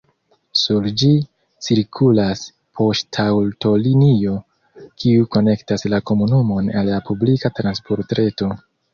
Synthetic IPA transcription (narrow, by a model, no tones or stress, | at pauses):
suld͡ʒi | t͡siɾkʰulas | pʰo̞ʃtʰawlto̞linio̞ | kʰiuko̞ne̞ktaslako̞munumo̞nalːapublikatɾanspo̞ɾtɾe̞to̞